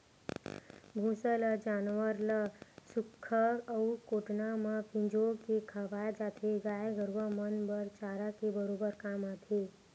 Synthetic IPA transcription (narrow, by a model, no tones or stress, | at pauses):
bʱũːsələd͡ʒaːnʋəɾləsʊkʰːəəukoːʈnaməpʰɪ̃ɲd͡ʒoːkekʰəʋaːjd͡ʒaːt̪ʰeɡaːjɡəɾʋəmənbəɾt͡ʃaːɾakebəɾoːbəɾkaːmaːt̪ʰeː